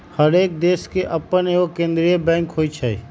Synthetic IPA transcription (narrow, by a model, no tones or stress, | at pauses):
həɾeːk̚d̪eːskeʔɐpəneokẽːnd̪ɾijəbɛ̃ːŋkɦoːit͡ʃʰɐḭ